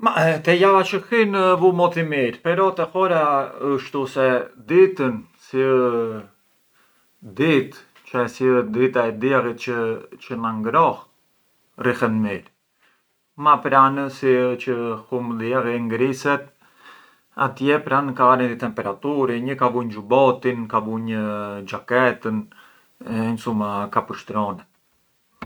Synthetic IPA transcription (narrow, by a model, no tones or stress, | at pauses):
mat̪ɛjavat͡ʃəxinəvumɔt̪imiɾpɛɾɔt̪ɛxɔɾaəʃt̪usɛd̪it̪ən | siə | d̪it̪ | t͡ʃasid̪it̪aɛd̪iaɣit̪̚t͡ʃət͡ʃənaŋɡɾɔh | rixɛnmiɾ | mapɾanəsit͡ʃəhumliaɣiŋɡɾisɛt̪ | a̰t̪jɛpɾankaaɾind̪it̪ɛmpɛɾat̪uɾiɲəkabuɲd͡ʒubɔt̪inkabuɲəd͡ʒakɛt̪ən | ɛɲsumakapəʃt̪ɾɔnɛ